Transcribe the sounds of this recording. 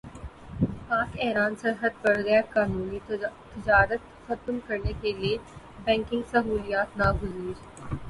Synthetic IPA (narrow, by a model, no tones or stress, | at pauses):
paːkɛːɾaːnsɐɾɦəd̪̚pɐɽɡɐjakaːnuːnit̪ːɪd͡ʒaːɾət̪ | xɐt̪mkɐɾnekelie | bɛ̃ːŋkɪ̃ŋɡsɐɦuːlijaːt̪naɡʊziːɾ